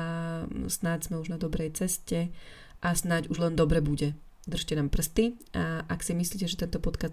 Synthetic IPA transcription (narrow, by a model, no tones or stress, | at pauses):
snaɟz̥mɛuʒnad̪ɔbɾɛjt͡sɛscɛ | ʔasnaɟuʒlɛnd̪ɔbɾɛbuɟɛ | d̪r̩ʃcɛnaːmpr̩st̪iʔaksimisliːcɛʒɛt̪ɛnt̪ɔpɔt̪ka